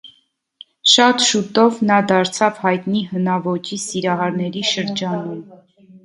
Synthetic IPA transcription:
ʃɑt̪ʃut̪ɔvnɑd̪ɑɾt͡sʰɑvhɑjt̪nihənɑvɔt͡ʃisiɾɑɦɑɾnɛɾiʃəɾd͡ʒɑnum

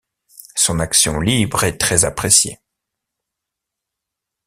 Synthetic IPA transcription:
sɔ̃naksjɔ̃libʁɛt̪χɛzapχesjḛ

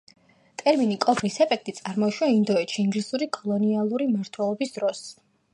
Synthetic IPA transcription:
t̪ʼɛɾminikʼɔpʰɾisɛpʰɛk̚ʰt̪ʼit̪sʼaɾmɔʃwaind̪ɔɛt̪ʃiːŋɡlisuɾikʼɔlˠɔnialˠuɾimaɾt̪ʰwɛlˠɔbisd̪ɾɔs

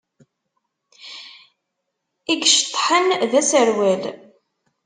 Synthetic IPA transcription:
iɡʃt̪ˤːħənðæsəɾwæl

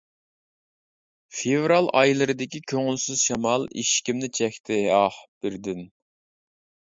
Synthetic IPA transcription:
fevɾɑlˠɑjlˠɨɾɨd̪ɪkʲikʲʰøŋylsyzʃɑmɑlˠḭʃkʲimnɪt͡ʃʰɛkʲt̪ʰɪɑhb̥ɪɾd̪ɪn

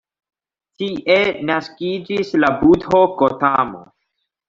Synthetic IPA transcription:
tiʔe̞naskid͡ʒislabudɦokotamo̰

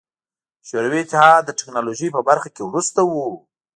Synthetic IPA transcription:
ʃoɾawiɪt̪ɪɦɑd̪ːəʈɪknɑloʒəjpəbaɾxakewɾust̪awu

